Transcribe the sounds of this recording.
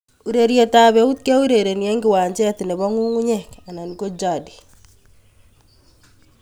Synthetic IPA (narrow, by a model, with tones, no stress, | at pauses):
u˨ɾe˨ɾje˨ta˨βɛ˨u˦t̚kɛ˦u˦ɾe˨ɾe˨njɛ˦ŋɡɪ˦wa˨ɲd͡ʒɛ˦tɪ˨nɛ˨βɔ˦ŋu˦ŋu˦ɲɛ˦˨ka˨na˨n˨ko˦d͡ʒa˨di̥